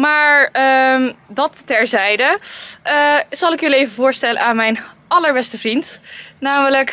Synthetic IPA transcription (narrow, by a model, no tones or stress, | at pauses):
maːɹəmdɑtːɛɹzɛjdəʔəz̥ɑlˠɪkjɵliejvəvʊːɹstɛlə̰ʔaːnmɛjnɑləɹbɛstəvrintnaːmələk